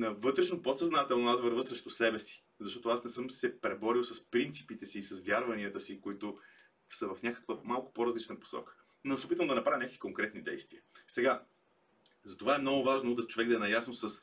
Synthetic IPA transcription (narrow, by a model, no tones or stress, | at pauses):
nɐvɤt̪ɾɛʃnopot̪sɐznat̪ɛlˠnoazvəɾvəsɾɛʃt̪usɛbɛsi̥ | zɐʃt̪ɔt̪oasnɛsɤmsɛpɾɛbɔɾiwˠsɐspɾint̪si̥pit̪ɛsiːsɐsvʲjaɾvɐniət̪əsikʊit̪ʊ | sɐvɐfnʲakə̥kvəmalˠkʊ̥poɾɐzlit͡ʃnəpo̥sɔ̰kə̥ | nosɛopit̪vəmd̪ɐnɐpɾavʲimnʲakəkvi̥koŋkɾɛt̪nid̪ɛ̰jst̪viəsɛɡa | zɐt̪ovaɛmnɔɡʊvaʒnoud̪əst͡ʃovɛɡ̚d̪ɐɛnɐjasnosəs